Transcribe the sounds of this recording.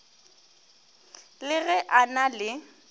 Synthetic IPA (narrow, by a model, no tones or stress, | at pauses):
lɪɣɛʔanalɪ